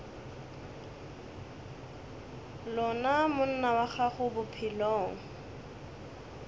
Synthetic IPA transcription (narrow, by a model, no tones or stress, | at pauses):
lɔnamʊn̩nawaχaχʊbʊpʰilɔːŋ̩